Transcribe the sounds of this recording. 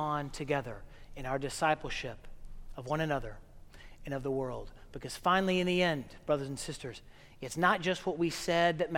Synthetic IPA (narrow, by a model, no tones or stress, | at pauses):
ə̃ntʰɨɡɛðə̰˞ɨ̃ñaʊə˞dɨsaɪpl̩ˠʃɪpʌvwʌ̃ñɨnʌðə˞ | ɨ̃ñʌvðəwɜ˞lˠd̚b̥ɨkʰʌz̥fãɪ̃nl̩ˠiɨ̃nðiɛ̃nb̥ɹʌðə˞zn̩sɪstə˞z̥ | ɨtsnət̚d̥ʒ̥ʌst̚wʌt̚wisɛd̪̚ðɨt̚m